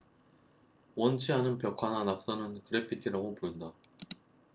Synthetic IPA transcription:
wʌnt͡ɕʰiɦanɯnpjʌkʰananak̚s͈ʌnɯnkɯɾe̞pʰitʰiɾaɡopujɯnda

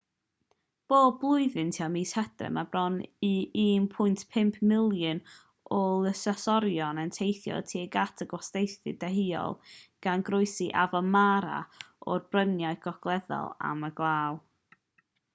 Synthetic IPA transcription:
b̥oːd̚blˠʊɨðɨntʰiɔmishɛd̥rɪ̰mabrɔniiːmpʰʊjntʰpʰɪmpʰmɪlˠjən | ʔɔlˠəsasɔɾjɔnəntʰejθjɔ̰tʰiːəɡatʰəɡwɔsdejθɨ̰dɛɦiɔ̰lˠɡ̥anɡrʊɨsiʔavɔmaɾa̰ɔrbrənjaɨɡ̥ɔɡ̥lˠɛðɔ̰lˠa̰məɡlˠaːw

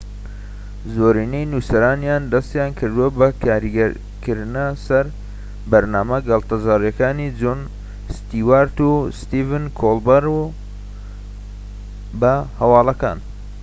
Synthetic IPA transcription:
zoɾiːnejnusɐɾaːnjaːnd̪ɐst̪jaːnkʰɨɾd̪uwɐbɐkaːɾiɡɾ | kʰɨɾnɐsɐɾ | bɐɾnaːmɐɡɐlt̪ɐzaːɾjɐkaːnid͡ʒon | st̪iːwaːɾt̪ust̪iːvɨnkʰolbɐɾu | bɐhɐwɑːlɐka̰ːn

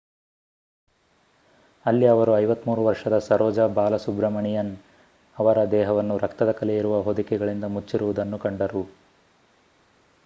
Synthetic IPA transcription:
ɐlːiɐʋɐɾuɐjʋɐt̪muːɾuʋɐɾʂɐd̪ɐsɐɾɔːd͡ʒɐbaːlɐsubɾɐmɐɳijɐn | ɐʋɐɾɐd̪ɛːɦɐʋɐnːuɾɐkt̪ɐd̪ɐkɐlɛiɾuʋɐɦod̪ukɛɡɐɭind̪ɐmut͡ʃːiɾuʋud̪ɐnːukɐɳɖɐɾu

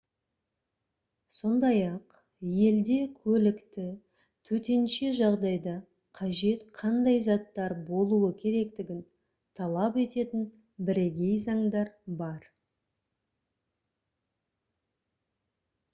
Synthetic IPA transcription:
so̞nd̪ɑjɑq | je̞ld̪e̞kʲʰɵlɪkt̪ɪ | t̪ʰɵt̪e̞nʃe̞ʒɑʁd̪ɑjd̪ɑ | qʰɑʒe̞t̪qʰɑnd̪ɑjzɑt̪ːɑɾbo̞lˠuəkʲʰe̞ɾe̞kt̪ɪɡʲɪn | t̪ʰɑlˠɑpe̞t̪e̞t̪ɪn | bɪɾeɡʲe̞jzɑŋd̪ɑɾbɑɾ

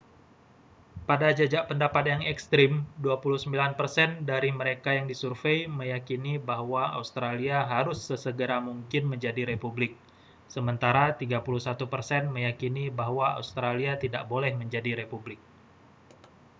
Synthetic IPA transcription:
padad͡ʒad͡ʒaʔpəndapat̪̚jaŋɛkst̪ɾɪmduapuluhsəmbilanpərsɛndaɾiməɾekajaŋdisurfeiməjakinibaɦwaa̰ust̪ɾaliaɦaɾʊsːəsəɡəɾamuŋkɪnməɲd͡ʒadiɾepublɪk̚ | səmənt̪aɾat̪iɡapuluhsat̪upərsɛnməjakinibaɦwaa̰ust̪ɾaliat̪ida̰ʔbolɛhməɲd͡ʒadiɾepublɪk̚

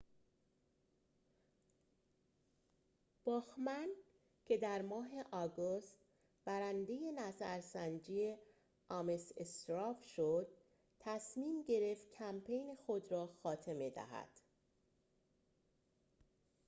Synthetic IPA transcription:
b̥ɒːxmæn | cʰe̞d̪æɾmɒːɦe̞ʔɒːɡost̪̚ | b̥æɾænd̪e̞je̞næzæɾsænd͡ʒiːe | ɒmesest̪ɾɒːfʃod̪̥̚ | t̪ʰːæsmiːmɟe̞ɾe̞ft̪̚cʰæmpʰe̞jnexod̪ɾɒːxɒːt̪ʰe̞me̞d̪æ̰hæ̰d̪̥

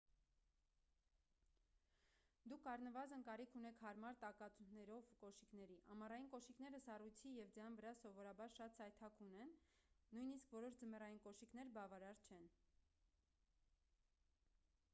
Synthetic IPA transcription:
d̪ukʰɑrnəvɑzənkɑɾikʰun̪ɛkʰhɑɾmɑɾt̪ɑkɑt͡sʰunnɛɾɔvkɔʃikn̪ɛɾiʔɑmɑrɑjinkɔʃiknɛɾəsɑrujt͡sʰijɛvd͡zəjɑnvəɾɑsɔvɔɾɑbɑɾʃɑt̪sɑjt̪ʰɑkʰunɛnːujniskvɔɾɔʃd͡zəmɛrɑjinkɔʃiknɛɾbɑvɑɾɑɾt͡ʃʰɛn

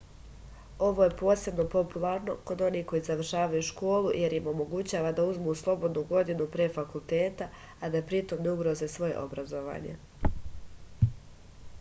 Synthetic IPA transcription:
o̞ʋo̞je̞po̞ːse̞bno̞po̞pulˠaɾno̞ko̞d̪o̞niːko̞jizaʋr̩ʃaːʋajuʃko̞ːlˠuje̞ɾimo̞mo̞ɡut͡ɕaːʋad̪auzmuslˠo̞bo̞d̪nuɡo̞d̪inupɾefakulˠt̪eːt̪aː | d̪apɾit̪o̞mneuɡɾo̞zesʋo̞jeʔo̞bɾazo̞ʋa̰ːɲe̞̰

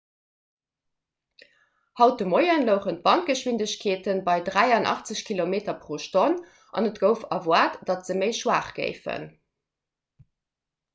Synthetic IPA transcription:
hɑʊt̚dəmoɪənləʊχənt̚b̥ɑnt̚ɡ̥əʃwindəɕkʰeːtənbɑɪdʁæɪɑnʔɑ̰χt͡səɕkʰilomeːtɐpʁoːʃton | ʔɑ̰nətɡ̥əʊfɑvwaːtd̥ɑtz̥əməɪʃwaːχɡ̥ɜ̰ɪfə̰n

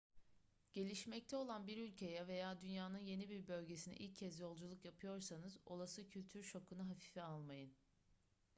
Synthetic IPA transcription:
ɟ̥e̞lʲiʃmɛc̚t̪ʰɛo̞lˠanbiɾylʲcʰe̞jɛve̞jaːd̪ynjaːnɯnje̞nibiɾbø̞lʲɟe̞sinɛ̰ʔilʲcʰːɛzjo̞lˠd͡ʒulˠukjapʰɯjo̞ɾsanɯzo̞lˠasɯcʰylʲt̪ʰyɾʃo̞kʰunaɦafi̥ːfɛalˠmajɯn

